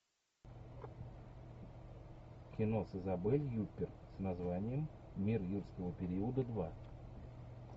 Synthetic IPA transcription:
kʲɪnosəzɐbɛlʲjupʲːɪrsnɐzvanʲɪjəmmʲirjurskəvəpʲɪɾʲiəd̪əd̪va

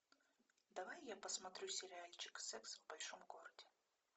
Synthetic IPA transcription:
d̪ɐvajjapəsmɐt̪ɾʲusʲɪɾʲɪalʲt͡ɕɪ̥ksɛksvbɐlʲʂomɡoɾəd̪ʲɪ

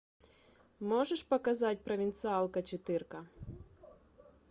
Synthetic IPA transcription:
mɔʐɛʂpɐkazatʲpɾɐvʲint̪sɨalˠkɐt͡ɕɪt̪ɪrkɐ

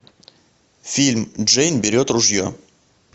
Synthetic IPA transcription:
fʲilʲmʐɛjnbʲɪɾʲot̪rʊʐjo̰

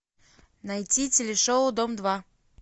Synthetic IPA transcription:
nɐjtʲitʲɪlʲɪʂoʊd̪omd̪va

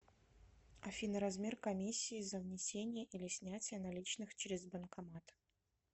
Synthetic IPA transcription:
ɐfʲinəɾɐzmʲerkɐmʲisʲːiːzəvnʲɪsʲenʲɪjəʔilʲɪsʲnʲætʲɪjənɐlʲit͡ɕnɨxt͡ɕɾʲɪzbənkɐmat̪

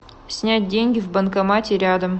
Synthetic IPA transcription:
sʲnʲæt̚ʲdʲeŋʲɡʲɪvbənkɐmɑtʲeɾʲɑd̪əm

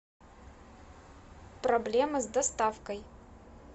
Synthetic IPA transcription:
problʲemɐzdɐstʼafkʼɐj

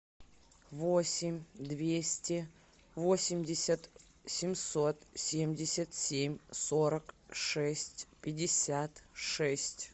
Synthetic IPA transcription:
vosʲɪmʲd̪vʲesʲtʲɪ | vo̞sʲɪmʲdʲɪsʲət̪ | sʲɪmso̞t̪sʲemʲdʲɪsʲət̪sʲemʲso̞ɾəkʂɛsʲtʲpʲɪdʲɪsʲat̪ʂɛsʲtʲ

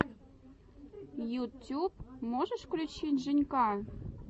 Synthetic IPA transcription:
jutʲup̚moʒəʃklʲut͡ɕitʲʒɨnʲkɑ

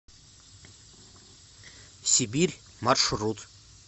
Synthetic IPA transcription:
sʲibʲiɾʲ | marʂɾut̪

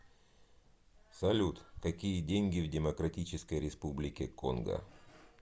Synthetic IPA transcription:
sɐlʲut̪kɐkʲijədʲenʲɡʲɪvdʲɪmɐkɾɐtʲit͡ɕɪskəjɾʲɪspublʲɪkʲɪko̰nɡə̰

